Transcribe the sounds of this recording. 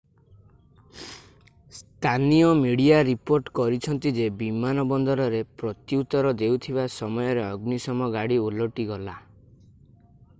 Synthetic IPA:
st̪ʰanijɔmiɽiaɾipoɾʈkɔɾit͡ʃʰɔnt̪id͡ʒebimanɔbɔnd̪ɔɾɔɾepɾɔt̪iut̪ɔɾɔd̪ewt̪ʰibasɔmɔjɔɾeɔɡnisɔmɔɡaɽiuloʈiɡɔla

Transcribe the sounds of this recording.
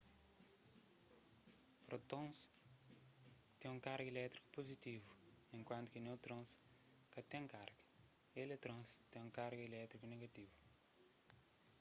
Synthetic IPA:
pɾot̪õs | t̪ẽũŋkaɾɡelɛt̪ɾi̥ku̥pozit̪ivu | ẽŋkwɐ̃nt̪u̥kenewt̪ɾõs | kɐt̪ẽkaɾɡɐ | elet̪ɾõst̪ẽũkaɾɡelɛt̪ɾikuneɡat̪ivu

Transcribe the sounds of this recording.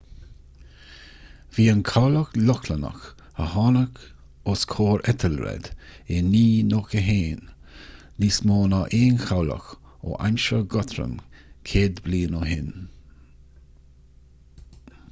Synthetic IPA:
viːənkʰawləklɔkʰlənə̰x | həhɑːnək | oskʰoːɹɛt̪ʰəlɾɛ̰d̪̥eniːnoːkəɦeːn | lismoːnɑʔeːnxawlə̰x | o̰ːʔa̰mʃəɡɔt̪ʰɾə̰mkʰeːd̪bliːnoɦɪn

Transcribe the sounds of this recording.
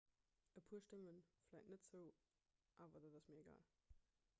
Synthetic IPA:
ʔəpʰuːɐʃtəmənflæɪtnətz̥əʊ | ʔaːvɐdɑtɑsmiːɐeɡa̰ːl

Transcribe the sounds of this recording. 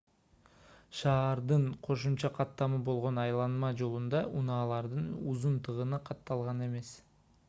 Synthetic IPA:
ʃɑːɾd̪ɯɴqʰo̞ʃumt͡ʃɑqʰɑt̪ːɑmɯbo̞lˠʁo̞nɑjlˠɑnmɑd͡ʒo̞lˠund̪ɑʔunɑːlˠɑɾd̪ɯnuzunt̪ɯʁənɯqʰɑt̪ːɑlˠʁɑne̞me̞s

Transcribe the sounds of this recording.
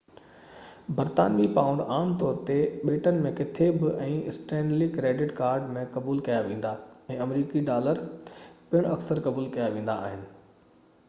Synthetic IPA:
bɐɾt̪a̰ːnmipãːʊ̃ɳɖaːmt̪ɔːɾt̪eɓeːʈənɪ̆mẽkɪt̪ʰebɪʔɛ̃ːɪsʈɛ̃ːnɖlikɾeːɖɪʈkaːɾɖmẽkɐbuːlkɐjaʋẽːn̆d̪aɛ̃ːɐmɾiːkiɖaːləɾpɪɽ̃ɐksəɾkɐbuːlkɐjaʋẽːn̆d̪aːɦɪnɪ̆

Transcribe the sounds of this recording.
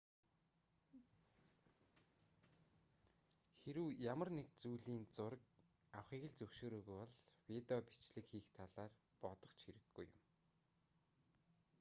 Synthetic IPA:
xeɾɘwjamə̆rnek̚t͡sujɮiːnt͡sʊɾə̆k̚ | awχiːɣɘ̆ɮt͡sɵwʃoːɾoːɣujɔɮwit̪ɔpi̥t͡ɕɮɘ̆kxiːxt̪ʰaɮaːr | pɔt̪ɞ̆χt͡ɕxeɾɘ̆ɡːujʊ̰m

